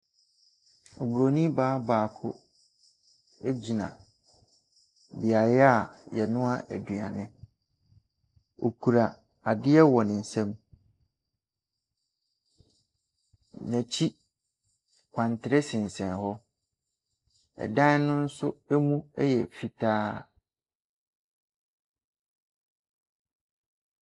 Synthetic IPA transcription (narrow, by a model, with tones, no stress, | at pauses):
ɔ˨bu˨ɾo˨nĩ˦baː˨˦baː˨kʰʊ̰˦ | e˦d͡ʑi˨nã̰˨ | bɪ˨a˨jɪ˦a˦˨jɛ˨nʊ̃˦a˦ʔæ̰˨du˨a̰˨nɪ̃˦ | o̰˨kʰu˨ɾa˨ | a˨dɪ˦ɛ˦wɔ˨nɪ̃˨n̩˨sɛ̃˦m | næ̃˨t͡ɕʰi˦ | kʷʰã˨ntʰɪ˨ɾɛ˦sɪ̃˨n˨sɛ̃˨nhɔ˦ | ɛ̰˨dã˦n˦nʊ̃˦n̩˦sʊ˦ɛ˦mũ˦ɛ˦jɛ˨fi˨tʰaː˦